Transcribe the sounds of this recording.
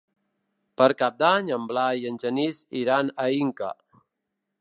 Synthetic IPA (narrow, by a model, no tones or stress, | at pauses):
pəɾkap̚d̪aɲəmblajənʲd͡ʒənisiɾanəiŋka̰